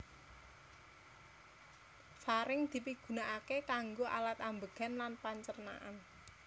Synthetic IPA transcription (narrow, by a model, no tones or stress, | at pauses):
faɾɪŋd̪̥i̤piɡ̥ṳnaʔakekaŋɡoʔa̰lat̪ambəɡ̥a̤nlanpaɲt͡ʃərna̰ʔa̰n